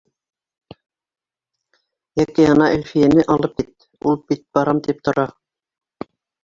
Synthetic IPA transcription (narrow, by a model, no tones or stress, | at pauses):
jækiɑnɑʔɘ̆lfijenɘʔɑlˠɤp̚kit̪̚ | ulˠbit̪̚b̥ɑɾɑmt̪ip̚t̪ŏɾɑ